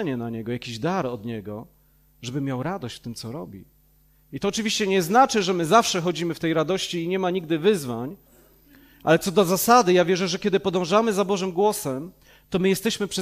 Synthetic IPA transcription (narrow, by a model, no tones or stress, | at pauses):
ɛɲɛnaɲɛɡɔjakʲiʑd̪aɾɔd̪ɲɛɡɔ | ʐɛbɘmʲjawɾad̪ɔɕt͡ɕft̪ɘmt̪sɔɾɔbʲḭ | it̪ɔːt͡ʂɘvʲiɕt͡ɕɛɲɛznat͡ʂɘʐɛmɘzafʂɛxɔd͡ʑimɘft̪ɛjɾad̪ɔɕt͡ɕiːɲɛmaɲiɡ̚d̪ɘvɘzvaɲ | ʔa̰lɛt̪sɔd̪ɔzasad̪ɘjavʲjɛʐɛʐɛkʲɛd̪ɘpɔd̪ɔ̃w̃ʐamɘzabɔʐɘmɡwɔsɛm | t̪ɔmɘjɛst̪ɛɕmɘpʂɛ